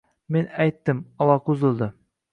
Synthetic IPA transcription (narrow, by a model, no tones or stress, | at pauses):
menæjt̪ːɪmɒlˠɑqʊzɪlˠd̪ɪ